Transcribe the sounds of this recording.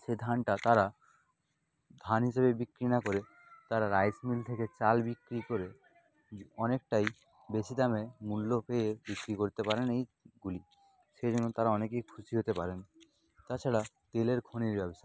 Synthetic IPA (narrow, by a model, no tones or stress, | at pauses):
ʃed̪ʱanʈat̪aɾa | d̪ʱanɦiʃeβebikɾinakoɾe | t̪aɾaɾajsmilt̪ʰeket͡ɕalbikɾikoɾe | ɔnek̚ʈaj | beʃid̪amemulːopeebikɾikoɾit̪epaɾenejɡuli | ʃed͡ʑonːot̪aɾaɔnekejkʰuʃiɦot̪epaɾen | t̪at͡ɕʰaɽat̪eleɾkʰoniɾbɛboʃa